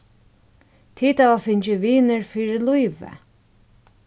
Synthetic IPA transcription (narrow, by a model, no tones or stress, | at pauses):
t̪ʰiːt̪avafɪɲt͡ʃɪʋiːnəɹfiːɹɪlujʋə̰